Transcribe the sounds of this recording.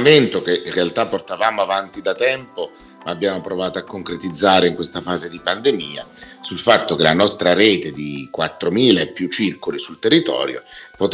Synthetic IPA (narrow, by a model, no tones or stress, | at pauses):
ment̪ok̟einrealt̪apːort̪avaːmoavant̪id̪at̪ɛmpo | maːbːjaːmopɾovaːt̪oakːoŋkɾet̪id̪zːaːɾeiŋkwest̪afaːzed̪ipand̪emiːa̰ | sulfat̪ːok̟elanɔst̪ɾaɾeːt̪ed̪ikwat̪ːɾomiːlaepːjut͡ʃːirkolisult̪erːit̪ɔ̰ːɾjo̰pot̪